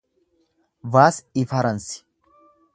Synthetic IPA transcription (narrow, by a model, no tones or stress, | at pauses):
vaːsɪfɐɾɐnsɪ̥